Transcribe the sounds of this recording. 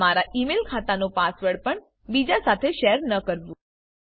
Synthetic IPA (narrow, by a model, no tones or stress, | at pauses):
maɾaʔimelkʰat̪anopasʋəɽpəɳ | bid͡ʒasat̪ʰeʃeɾnəkəɾʋũ